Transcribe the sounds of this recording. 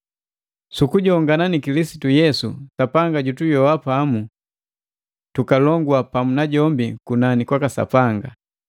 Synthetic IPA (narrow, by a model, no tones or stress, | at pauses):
sukuɟɔŋɡananikilisi̥tujɛsṵsapaŋɡaɟutujɔwapamu | tukalɔŋɡwapamunaɟɔmbikunanikwakasa̰paŋɡa